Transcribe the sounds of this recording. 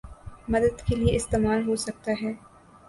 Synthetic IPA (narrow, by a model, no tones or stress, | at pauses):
mɐd̪əd̪kelieɪst̪eːmaːlɦosɐk̚t̪aɦɛː